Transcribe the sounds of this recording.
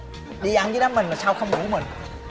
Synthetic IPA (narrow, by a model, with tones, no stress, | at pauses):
ɗi˧ʔa˧˦nzɨ˨˦ɗaː˨˦mi̟˨˩maː˨˩saː˧wxə˧wŋ͡mɗṵ˧˦mï˨˩ŋ̟